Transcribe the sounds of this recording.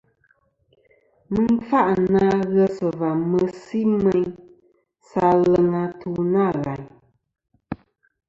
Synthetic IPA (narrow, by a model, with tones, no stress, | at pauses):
mɨ˦n˦fa˦ʔna˦ɣə˦sə˨va˨mə˨si˦mɛ˦ɲ | sa˧lə˦ŋa˧tʰu˦na˦˨ɣa˨ɲ